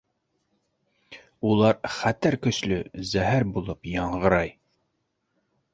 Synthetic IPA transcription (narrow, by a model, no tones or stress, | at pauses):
ulˠɑɾχæt̪æɾkɵ̆ʃlɵ̰zæɦæɾbulˠɤpjɑɴʁɤ̆ɾɑj